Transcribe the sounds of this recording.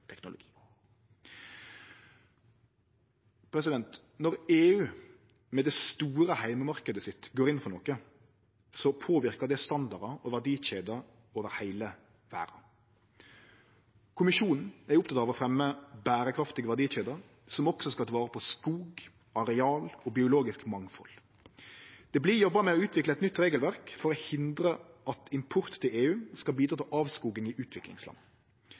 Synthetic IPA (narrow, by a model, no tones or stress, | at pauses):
t̪ʰɛknʊlʊ̰ɡiː | pʰɾɛsɪd̪ɛnt̪ | nɔɾeːʉː | mɛd̪ɛst̪uːɾəhæɪməmɑʁkəd̪əsɪt̪ɡoːɾɪnfɔnoːkə | sɔpʰoːʋɪɾkəd̪ɛst̪ɑnd̪ɑʁɾɑɔʋæʁd̪iːʃeːd̪ə | oːʋəɾhæɪlə | ʋæ̰ːɾɑ̰ | kʰʊmɪʃuːnn̩æɾʊp̚t̪ʰɑt̪ɑːʋɔfɾɛmːəbæːɾəkʰɾɑft̪ɪɡʋæɖ̪iːʃeːd̪ə | sɔmɔksɔskɑɑʋɑːɾəpʰɔskuːɡ | ɑɾɛɑːlɔbɪʊloːɡɪskmɑŋfɔ̰l | d̪̥ɛblɪjɔbːəmɛɔʉːt̪ʰʋɪkləɛt̪nʏt̪ːɾeːɡəlʋæʁkfɔɾɔhɪnd̪ɾəʔɑt̪ʰɪmpʰʊɾt̪t̪ɪleːʉːskɑlbiːd̪ɾɑːt̪ʰɪʔɑːʋskuːɡəŋɪʔʉːt̪ʰʋɪklɪ̰ŋslɑ̰nː